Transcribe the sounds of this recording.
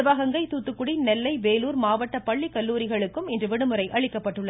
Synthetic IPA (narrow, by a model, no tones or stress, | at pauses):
ɯʋaːɣɐŋɡɐɪt̪uːt̪ːɯkːɯɽinɛlːɐɪʋeːluːɾmaːʋɐʈːɐpɐɭːikɐlːuːɾɪɣɐɭɯkːɯmɪndrɯʋɛɽɯmɯɾɐɪʔɐɻɪkːɐpːɐʈːɯɭːɐ